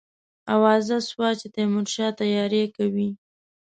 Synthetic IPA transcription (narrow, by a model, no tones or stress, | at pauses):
awɑzaswɑt͡ʃet̪emʊɾʃɑt̪ajɑɾekawi